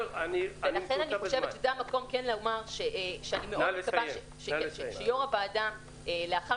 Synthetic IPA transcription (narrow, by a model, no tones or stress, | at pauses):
anivelaχenaniχoʃeet͡ʃʃezeamako̞mkenlamaʁʃeʔʃeanimeʔkabaʃe | ʃeʃʃejoʁabaːda | eleaχa